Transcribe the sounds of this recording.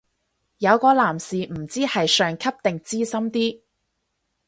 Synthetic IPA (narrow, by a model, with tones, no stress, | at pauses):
jɐ˨˧wkɔː˧laː˨˩msiː˨m̩˨˩t͡siː˥hɐ˨jsœː˨ŋkʰɐ˥p̚t̪ɪ˨ŋt͡siː˥sɐ˥mt̪iː˥